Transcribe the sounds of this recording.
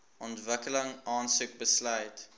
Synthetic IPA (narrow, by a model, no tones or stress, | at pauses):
ɔntvəkələŋʔɑːnsuk̚bəslœjt